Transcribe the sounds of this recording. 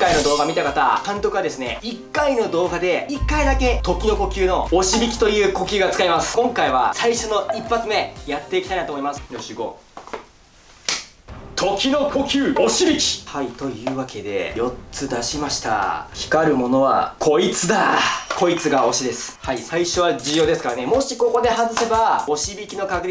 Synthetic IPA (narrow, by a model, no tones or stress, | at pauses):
ŋkaino̞d̪o̞ːɡamʲit̪akat̪akãnt̪o̞kɯad̪e̞sɨne̞̰ikːaino̞d̪o̞ːɡad̪e̞ikːaid̪ake̞t̪o̞kʲino̞ko̞kʲɨːno̞oɕibʲikʲi̥t̪o̞jɯ̟ːko̞kʲɨːɡat͡sɨ̥kaimasɨ̥kõ̞ŋkaiβasaiɕo̞no̞ipːat͡sɨme̞jat̪ːe̞ikʲit̪ainat̪omo̞imasɨ̥jo̞ɕɨːɡo̞̰ | t̪ʰo̞kʲino̞kʰo̞kʲɨːoɕibʲikʲi̥hait̪o̞jɯ̟ːβake̞d̪e̞̰jo̞t͡sɨd̪aɕimaɕi̥t̪a̰çi̥kaɾɯ̟mo̞no̞βa̰kʰo̞it͡sɨd̪akʰo̞it͡sɨɡao̞ɕid̪e̞sɨ̥haisaiɕo̞β̞ad͡ʑɨjo̞ːd̪e̞sɨ̥kaɾane̞mo̞ɕiko̞ko̞d̪e̞ɦazɨse̞bao̞ɕibʲikʲino̞kaɡɯ̟ɾʲi